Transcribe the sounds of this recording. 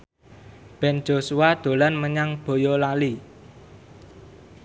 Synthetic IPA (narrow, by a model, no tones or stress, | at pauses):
b̥ɛ̤n̥d͡ʒ̥o̤suwad̪̥o̤lanməɲaŋb̥o̤jɔlali